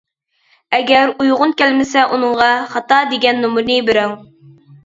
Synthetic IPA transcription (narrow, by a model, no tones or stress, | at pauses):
ɛɡʲɛɾujʁʊnkʲælmɪsɛʔunɨɴʁɑχɑt̪ɑd̪eɡʲɛnːumuɾnibɪɾæŋ